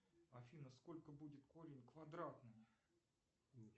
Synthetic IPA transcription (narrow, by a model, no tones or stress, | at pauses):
ɐfʲinəsko̞lʲkəbudʲɪt̪ko̞ɾʲɪnʲkvɐd̪ɾat̪nɨj